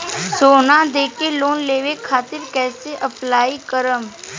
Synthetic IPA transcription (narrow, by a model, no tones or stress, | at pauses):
soːnãd̪eːkeloːnleːʋekʰaːt̪ɪɾkɛːseʔəplaːikəɾəm